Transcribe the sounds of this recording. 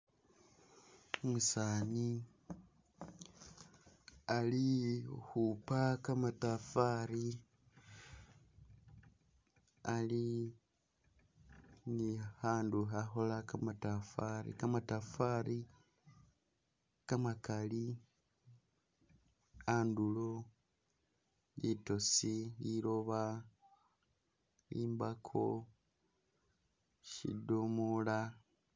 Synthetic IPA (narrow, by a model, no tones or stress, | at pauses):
musaːni | alihupakamatafaɾi | ali | nihaːnduɦaxolakamatafaɾḭkamatafaɾi | kamakali | andulo | lito̞siliɾoβa | liːmbakʰo̰ | ʃḭdomula